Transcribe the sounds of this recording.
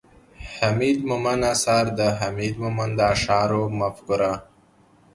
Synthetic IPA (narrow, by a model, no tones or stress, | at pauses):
hamid̪mʊmanasaɾd̪əɦamid̪mʊmand̪aːʂɑːɾomafkʊɾa